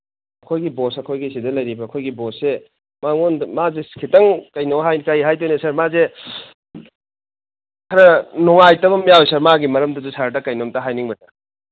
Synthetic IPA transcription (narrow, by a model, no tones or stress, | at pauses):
ɐkʰojɡibosɐkʰojɡisidɐlɐjɾibɐːkʰojɡibosːe | maŋonmazeskʰitɐŋkɐjnowɦajkɐjɦajtojnesɐɾmaze | kʰɐɾɐnoŋajtɐbɐmjawjsɐɾmaɡimɐɾɐmdɐdusaɾdɐkɐjnomtɐɦajniŋbɐtɐ